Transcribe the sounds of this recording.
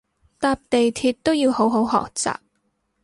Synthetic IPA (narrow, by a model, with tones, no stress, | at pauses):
t̪aː˧p̚t̪e˨jt̪ʰiː˧t̚t̪ːo˥wjiː˧who˨˥wɦo˨˥wɦɔ̰ː˨k̚t͡sa̰ː˨p̚